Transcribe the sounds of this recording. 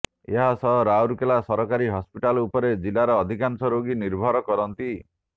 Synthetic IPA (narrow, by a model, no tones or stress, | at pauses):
eɦasɔɦɔɾauɾkelasɔɾɔkaɾiɦɔspiʈalupɔɾed͡ʒilaɾɔːd̪ʱikansɔɾoɡiniɾbʱɔɾɔkɔɾɔnt̪i